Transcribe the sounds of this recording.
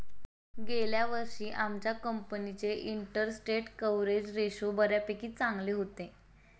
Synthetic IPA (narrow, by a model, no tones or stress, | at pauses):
ɡeljaʋəɾʂiːʔamt͡ɕjakəmpənit͡seʔiɳʈəɾsʈeʈkəʋɾed͡ʑɾeɕobəɾjapekiːt̪̚t͡saŋɡleɦot̪e